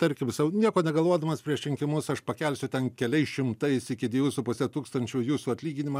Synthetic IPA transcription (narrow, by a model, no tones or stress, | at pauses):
t̪ɐɾʲkʲɪmsɐʊnʲiɛkoːnʲɛɡɐlˠʋuɔd̪ɐmɐspʲɾʲiɛʃtʲɪŋʲkʲɪmʊsɐʃpɐkʲɛlʲsʲʊt̪ʲɛnkʲɛlʲɛɪsʃʲɪmt̪ɐɪsɪkʲɪd̪ʲʋʲiɛʋʲʊsʊpʊsʲɛt̪uːkst̪ɐnʲt͡ʃʲujuːsuːɐtʲlʲiːɡʲɪnʲɪmɐː